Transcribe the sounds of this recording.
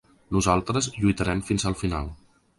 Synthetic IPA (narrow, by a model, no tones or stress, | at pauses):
nuzalˠt̪ɾəzʎujt̪əɾɛmfinzəlˠfina̰lˠ